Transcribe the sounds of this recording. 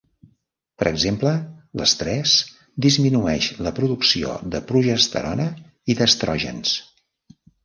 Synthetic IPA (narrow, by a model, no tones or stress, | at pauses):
pəɾʔəɡzemplələst̪ɾɛs | d̪izminuɛʃləpɾuðuksio̰ðəpɾuʒəst̪ə̰ɾɔnə | iðəst̪ɾɔʒə̰ns